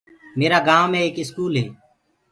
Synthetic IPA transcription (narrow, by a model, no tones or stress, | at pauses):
meːɾaːɡãːʋmẽːeːkɪskuːlɦeː